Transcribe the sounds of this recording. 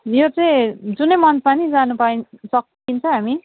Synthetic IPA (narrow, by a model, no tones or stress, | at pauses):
jot͡sʌĩd͡zunʌjmʌnpanid͡zanupainsʌkː | int͡sʰʌ̃ɦami